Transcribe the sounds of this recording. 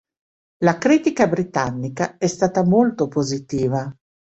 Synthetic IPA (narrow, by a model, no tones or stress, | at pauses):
lakɾiːt̪ikabɾit̪anːikaɛst̪aːt̪amolt̪opozit̪iːva